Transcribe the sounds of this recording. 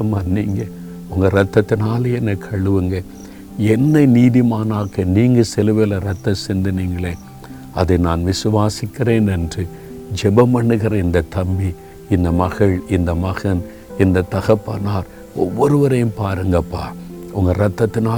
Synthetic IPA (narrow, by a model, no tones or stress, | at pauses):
ɐmaːniːŋɡɐ | ʊŋɡɐɾɐt̪ːɐt̪ːɪnaːleɛnːɐkʰɐɭɯʋɯŋɡɐ | ɛnːɐɪniːðɪmaːnaːkɐniːŋɡɐsɛlɯʋeːlɐɾɐt̪ːɐsɪnd̪ɯniːŋɡɐɭeː | ɐðɐɪnaːnʋɪsɯʋaːsɪkːɪreːnɛndrɯ | d͡ʒɛbɐmɐɳɯɣɐɾɪnd̪ɐt̪ːɐmbi | ɪnd̪ɐmɐɣɐɭɪnd̪ɐmɐɣɐn | ɪnd̪ɐt̪ɐɣɐpːɐ̰ːnaːɾ | ɔʋːɔɾɯʋɐɾɐjɯmpaːɾɯŋɡɐpːa̰ːɾʊŋɡɐɾɐt̪ːɐt̪ːɪnaː